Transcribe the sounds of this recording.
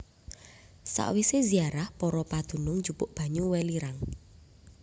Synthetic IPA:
sa̰ʔwiseziaɾahpɔɾɔpad̪̥ṳnʊŋ̥d͡ʒ̥upʊʔb̥a̤ɲuwɛliɾaŋ

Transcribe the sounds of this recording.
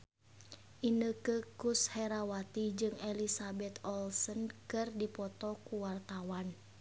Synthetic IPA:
ʔinəkəkushɛɾawat̪id͡ʒɨŋɛlisabɛt̪ɔlsənkɨrdipɔt̪ɔkuwart̪awan

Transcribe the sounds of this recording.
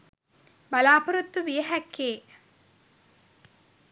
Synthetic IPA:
balaːpɐɾut̪ːuʋijəɦɛkʰːeː

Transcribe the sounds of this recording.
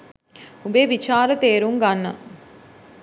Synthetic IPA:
ubeːʋit͡ʃaːɾət̪eːɾuŋɡɐnːɐ̰

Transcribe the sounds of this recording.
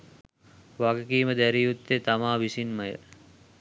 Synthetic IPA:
ʋaɡəkiːməd̪æɾijut̪ːet̪amaːʋisinməjə̰ɾ

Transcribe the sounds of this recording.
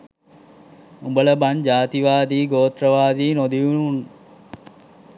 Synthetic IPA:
umbələband͡ʒaːt̪iʋaːd̪iːɡoːt̪ɾəʋaːd̪iːnod̪iunuun

